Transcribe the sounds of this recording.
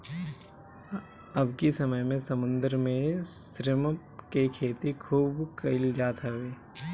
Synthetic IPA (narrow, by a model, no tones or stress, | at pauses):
ɐbkisɐməjmẽsɐmʊ̃nd̪əɾmẽsɾɪm | kekʰeːt̪ikʰuːbkɐɪld͡ʒaːt̪aʋeː